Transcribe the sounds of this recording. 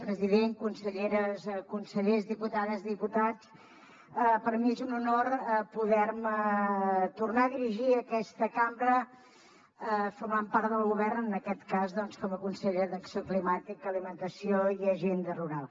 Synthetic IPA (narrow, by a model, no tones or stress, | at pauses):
pɾəziðeŋkunsəʎeɾəskunsəʎezðiput̪aðəzðiput̪at͡s | əpəɾmiezununoɾəpuðɛɾmə | t̪urnaəðiɾiʒiəkɛst̪əkambɾə | əfuɾmampaɾt̪ðəlˠɣuβɛrnənəkɛt̪kazðɔnskɔməkunsəʎeðəksioklimat̪ikəːlimənt̪əsioiəʒend̪əruɾalˠ